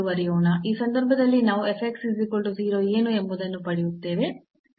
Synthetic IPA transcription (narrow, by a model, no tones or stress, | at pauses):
uʋɐɾɛjoːɳɐiːsɐnd̪ɐɾbʱɐd̪ɐlːinaːʋuepʰekʈsizikoɭʈuziːɾo̞ːeːnuembud̪ɐnːupɐɽijut̪ːe̞ːʋe̞